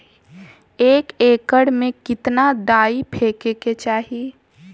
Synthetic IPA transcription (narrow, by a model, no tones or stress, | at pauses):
eːkeːkəɽmẽkɪt̪nad̪aːipʰeːkeket͡ʃaːɦi